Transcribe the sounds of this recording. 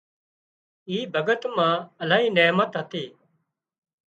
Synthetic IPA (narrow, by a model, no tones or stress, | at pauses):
iːbʱəɡət̪mãːəlaːɦiːneːmət̪ɦət̪iː